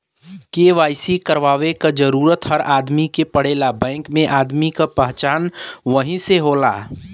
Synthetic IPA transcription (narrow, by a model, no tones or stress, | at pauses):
keːʋaːɪsikəɾʋaːʋekad͡ʒəɾuːɾət̪hɐɾaːd̪mikepəɽ̤eːlabɛ̃ːŋkmẽʔaːd̪mikapəɦt͡ʃaːnʋəɦĩseɦoːla̰ː